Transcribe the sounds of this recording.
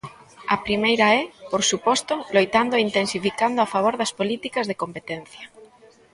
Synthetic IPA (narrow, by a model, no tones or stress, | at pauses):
ɐpɾimejɾaɛpoɾsupɔst̪olojt̪and̪oint̪ensifikand̪oafaβ̞oɾðɐspolit̪ikɐzðekompet̪ɛn̟θjɐ